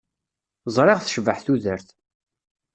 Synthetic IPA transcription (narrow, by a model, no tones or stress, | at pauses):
zˤɾˤeʁθə̥ʃvəħθuðəɾθ